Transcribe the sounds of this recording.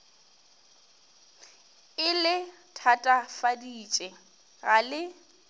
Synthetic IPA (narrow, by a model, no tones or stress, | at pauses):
ɪlɪ | tʰatʼafadiːt͡ʃʼɛ | ɣalɪ